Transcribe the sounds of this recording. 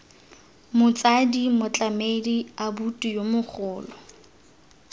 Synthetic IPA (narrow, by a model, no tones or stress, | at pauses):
mʊt͡sʼadimʊt͡ɬʼamediabutʼujomʊχʰʊːlɔ